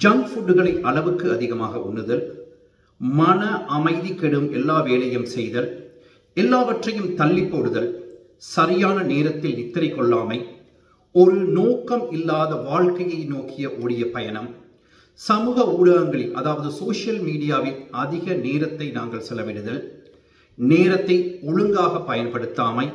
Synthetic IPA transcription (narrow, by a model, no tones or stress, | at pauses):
d͡ʒaŋɡfuːɖɯɣɐɭɐɪʔɐɭɐʋɯkːɯɐðɪɣɐma̰ːɣɐʔʊnːɯðɐl | mɐnɐʔɐmɐɪðikːɛɽɯmɛlːaːʋeːɭɐjɐmsɛjðɐl | ɛlːaːʋɐʈrɐjɯmt̪ɐlːɪpːoːɽɯðɐl | sɐɾɪjaːnɐneːɾɐt̪ːɪlɪt̪ːɐɾɐɪkːɔɭːaːmɐɪ | ɔɾɯnoːkɐmɪlːaːðɐʋaːɭkɐjɐɪnoːkːɪjɐʔoːɽɪjɐpɐjɐnɐm | sɐmuːɣɐuːɽɐɣɐŋɡɐɭɪlʔɐðaːʋɐðɯsoːʂɪjɐlmiːɽɪjaːʋɪlɐðɪɣɐneːɾɐt̪ːɐɪnaːŋɡɐɭsɛlːɐʋɪɽɯðɐl | neːɾɐt̪ːɐɪɔɻɯŋɡaːɣɐpːɐjɐnpɐɽɯt̪ːaːmɐɪ